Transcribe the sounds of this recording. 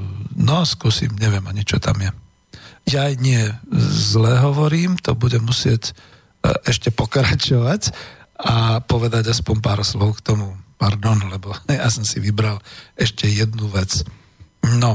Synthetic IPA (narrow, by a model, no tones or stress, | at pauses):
nɔskusḭːmɲɛʋɪɛmaɲit͡ʃɔt̪a̰mjɛ | jajɲɪɛzlɛːɦɔʋɔɾiːmt̪ɔbuɟɛmːusɪɛc | ʔɛʃcɛpɔkɾat͡ʃɔʋacapɔʋɛd̪aɟaspɔɲpaːɾslɔʊkt̪ɔmupaɾd̪ɔnlɛbɔhɛjasɔmsiʋibɾalɛʃcɛjɛd̪̚nuʋɛt͡s | nɔ